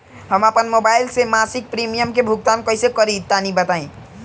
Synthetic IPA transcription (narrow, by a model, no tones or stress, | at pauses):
ɦəmapənmobajlsemasik̚pɾimijəmkebʱuɡ̚t̪ankəisekəɾid̪̚t̪ːanibət̪aĩ